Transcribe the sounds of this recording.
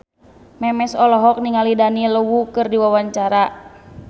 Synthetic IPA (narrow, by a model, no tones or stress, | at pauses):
mɛmɛsɔlɔɦɔk̚niŋalidaniləwukɨrdiwawaɲt͡ʃaɾa